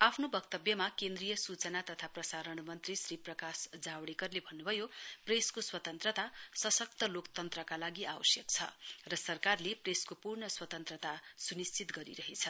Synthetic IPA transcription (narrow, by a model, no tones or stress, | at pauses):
apʰnobʌkt̪ʌbjʌmakend̪rijʌsut͡sʌnat̪ʌt̪ʰaprʌsaɾʌɳmʌnt̪risɾiprʌkasd͡zawɽekʌrlebʱʌnːubʱʌjopreskoswʌt̪ʌnt̪rʌt̪asʌsʌk̚t̪ʌlokt̪ʌnt̪rʌkalaɡiʔawʌsjʌk̚t͡sʰʌ̰rʌsʌrkarlepreskopurɳʌswʌt̪ʌnt̪rʌt̪asunist͡sit̪ɡʌɾḭɾʌɦet͡sʰʌ